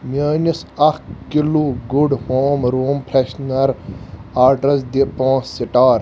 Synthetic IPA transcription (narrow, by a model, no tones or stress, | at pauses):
mjaːnisɐkkiluɡuɖhoːmɾoːmpʰɾeɕnɐɾaːɾʈɐsd̪ipãːsːiʈaːɾ